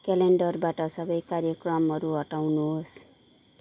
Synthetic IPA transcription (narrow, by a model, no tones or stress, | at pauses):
keleɳɖʌrbaʈʌsʌbʌjkaɾjʌkrʌmɦʌɾuɦʌʈawnuɦos